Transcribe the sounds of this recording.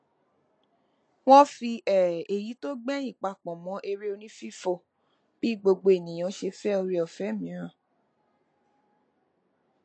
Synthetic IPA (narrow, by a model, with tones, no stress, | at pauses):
w̃ɔ̃˦fi˧ʔɛ˦˨e˨ji˨˦to˦ɡ͡bɛ̃˦ĩ˦˨k͡pa˨k͡pɔ̃˨mɔ̃˨˦ʔe˧ɾi˦o˧nĩ˦fi˦fo˦˨ | b̥i˦˨ɡ͡bo˧ɡ͡bo˧e˨nĩ˨j̃ã˨˦ʃe˧fɛ˦o˧ɾi˧ɔ˦˨fɛ˨˦˨mĩ˨˦ɾ̃ã˦˨